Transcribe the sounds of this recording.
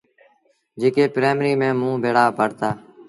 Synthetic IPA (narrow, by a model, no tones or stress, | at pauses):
d͡ʒeːkeːpɾeːmɾiːmẽːmũːbʱeːɽaːpəɽt̪aː